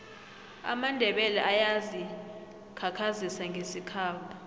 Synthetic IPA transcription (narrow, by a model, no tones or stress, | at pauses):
a̰mandʱɛɓɛlɛʔajazi | kʰakʰazisaŋɡʱesikʰaːpʰa